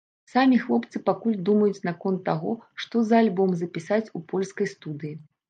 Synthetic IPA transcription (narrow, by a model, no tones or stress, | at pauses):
samʲixlˠɔpt̪sɨpakulʲd̪umɐjut͡sʲnakɔnt̪ːaɣɔʂt̪ɔzɐːlʲbɔmzɐpʲisat͡sʲupɔlʲskɐjst̪ud̪ɨji